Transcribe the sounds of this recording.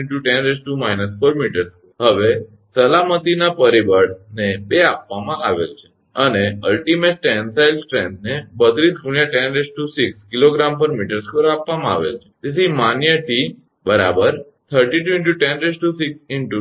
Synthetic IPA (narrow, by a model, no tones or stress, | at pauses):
ɳʈuʈɛ̃nɾesʈumainəsfoɾmiʈəɾskoɦəʋe | səlamət̪inapəɾibəɽnebeapʋamãaʋḛlt͡ʃʰe̥ | əneəlʈimeʈ̚ʈɛnsajlsʈɾẽnnebət̪ɾiskuɳjaʈɛ̃nɾesʈusikskiloɡɾampəɾmiʈəɾskoɾapʋamãa̰ʋḛlt͡ʃʰe̥d͡ʒ̪et̪ʰimanjəʈi | bəɾa̰bəɾ | t̪ʰəɾʈiʈuĩɳʈuʈɛ̃nɾesʈusiksɪɳʈu